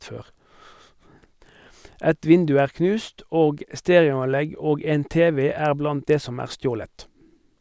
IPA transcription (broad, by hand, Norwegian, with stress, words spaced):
ˈɛt ˈʋɪndʉ ˈæːʁ ˈknʉːst ˈoːɡ ə ˈsteːʁɪʊɑnˌlɛɡ ˈoːɡ ˈeːn ˈteːˌʋeː ˈæːʁ ˈblɑnt ˈdeː ˈsɔm ˈæːʁ ˈstjoːlət